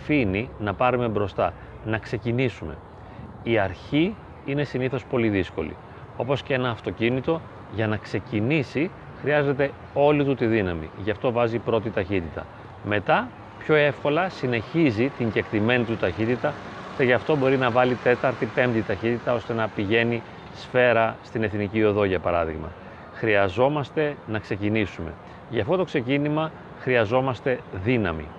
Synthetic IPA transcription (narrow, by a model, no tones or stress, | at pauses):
ɐfininɐpɐɾume̞bɾo̞st̪ɐ | nɐkse̞cinisume̞̰ | iɐɾçi | ine̞siniθo̞spo̞liðisko̞̰lḭ | o̞po̞scee̞nɐːft̪o̞cinit̪o̞ | ʝɐnɐkse̞cinisi | xɾiɐze̞t̪e̞ | o̞lit̪ut̪iðinɐmḭʝɐft̪o̞vɐzipɾo̞t̪it̪ɐçit̪it̪ɐ̰ | me̞t̪ɐ | pço̞e̞fko̞lɐsine̞çizit̪iɲɟe̞kt̪ime̞nit̪ut̪ɐçit̪it̪ɐceʝɐft̪o̞bo̞ɾinɐvɐlit̪e̞t̪ɐɾt̪ipe̞md̪it̪ɐçit̪it̪ɐo̞st̪e̞nɐpiʝe̞ni | sfe̞ɾɐst̪ine̞θnicio̞ðo̞ʝɐpɐɾɐðḭɣmɐ̰ | xɾiɐzo̞mɐst̪e̞nɐkse̞cinisume̞̰ | ʝɐft̪o̞t̪o̞kse̞cinimɐ | xɾiɐzo̞mɐst̪e̞ðinɐmḭ